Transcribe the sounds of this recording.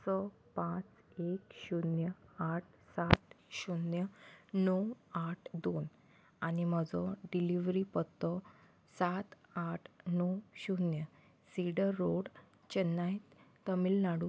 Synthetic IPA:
sɔ | pãt͡s | ekɕunjəaʈ̚ʰsat̪ɕunjənɔwaʈʰd̪on | aɽ̃im̤əd͡zɔɖiliʋɾipət̪ːɔ | sat̪aʈʰnɔwɕunjə | siɽəɾːoɽ | t͡ɕənːajt̪t̪əmilnaɽu

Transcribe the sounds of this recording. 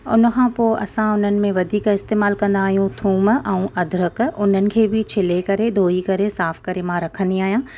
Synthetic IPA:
ʊ̰nə̆kʰãːpoːʔɐ̰sãʊn̤ənɪ̆mẽʋɐd̪ʱiːkɪst̪eːmaːlkɐ̃nd̪aːɦijũt̪ʰuːmɛ̃ũʔɐd̪ʱɾəkʊn̤ənɪ̆kʰeːbʱɪt͡ɕʰɪlekɐɾed̪ʱoːikɐɾesaːfkɐɾemãːɾɐkʰə̃niaːɦijãː

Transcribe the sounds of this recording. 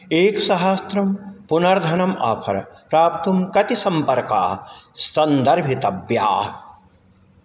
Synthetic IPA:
eːksɐɦast̪ɾɐmpunɐɾd̪ʱɐnɐma̰ːpʰɐ̰ɾɐ̰pɾaːp̚t̪umkɐt̪isɐmpɐɾka̰ːsɐnd̪ɐɾbʱit̪ɐbja̰ː

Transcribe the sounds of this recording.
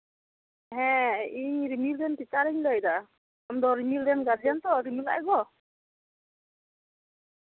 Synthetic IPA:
ɦɛ̃iɲɾimilɾɛnpit͡ʃaɾɛɲlajd̪a | amd̪ɔɾimilɾɛnɡad͡ʒijant̪ɔɾimila̰ʔɡɔ

